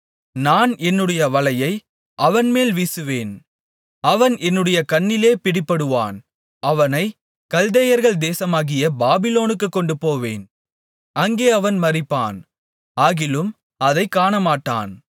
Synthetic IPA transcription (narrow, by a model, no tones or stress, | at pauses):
naːnɛnːɯɽɐjɐʋɐlɐjɐɪ | ʔɐʋɐnmeːlʋisɯʋeːn | ɐʋɐnɛnːɯɽɐjɐkɐɳːɪleːpɪɽɪpːɐɽɯʋa̰ːn | ʔɐʋɐnɐɪ | kɐld̪ɐjɐɾɣɐɭd̪eːsɐmaːɣɪjɐbaːbɪloːnɯkːɯkːɔɳɖɯpoːʋḛːn | ɐŋɡeːɐʋɐnmɐrɪpːa̰ːn | aːɣɪlɯm | ɐðɐɪkːaːnɐmaːʈːa̰ːn